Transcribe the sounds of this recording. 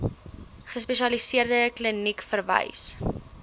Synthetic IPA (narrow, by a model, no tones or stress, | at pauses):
χəspɛʃiɐlisiərdəklənikfərvə̰js